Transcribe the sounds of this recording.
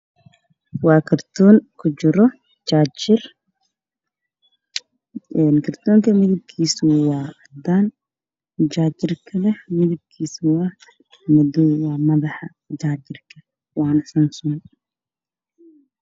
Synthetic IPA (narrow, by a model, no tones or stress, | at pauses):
wɑːkʰɐrt̪ʰɔːŋkʰʊt͡ʃɪɾɔ | d͡ʒaːd͡ʒɪr | ɛnkʰɐrt̪ʰɔːŋkʰɐmɪðɪb̚kʰiːsʊwɑːɐd̪an | d͡ʒaːd͡ʒɪrkʰɐlɛhmɪðɪb̚kʰiːsʊwɐh | mɔdɔːwaːmɐðɑħɑ | d͡ʒaːd͡ʒɪrkʰɐ | wɑːnɐsɐnsuːn